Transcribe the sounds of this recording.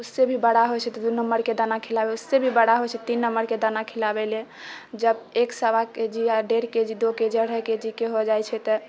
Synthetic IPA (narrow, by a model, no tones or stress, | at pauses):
usːebʱibəɽaɦojt͡ʃʰɛt̪ɔd̪unəmːəɾked̪anakʰilabeusːebʱibəɽaɦot͡ʃʰɛt̪inːəmːəɾked̪anakʰilabele | d͡ʒəbeksəbaked͡ʒiaɖeɾked͡ʒid̪oked͡ʒəɽɦəked͡ʒikeɦod͡ʒajt͡ʃʰɛt̪ɔ